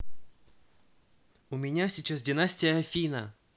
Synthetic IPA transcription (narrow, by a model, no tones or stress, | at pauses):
ʊmʲɪnʲasʲit͡ɕas̬dʲɪnasʲtʲɪjəɐfʲinə̰